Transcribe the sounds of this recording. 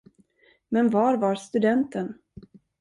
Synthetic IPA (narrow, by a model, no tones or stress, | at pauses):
mɛnvɑːɾvaɾst̪ɵd̪ɛnt̪ən